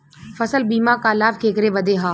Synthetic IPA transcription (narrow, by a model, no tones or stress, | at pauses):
fɐsəlbiːmãkaːlaːbkʰeːkɾeʋɐd̪eːɦãː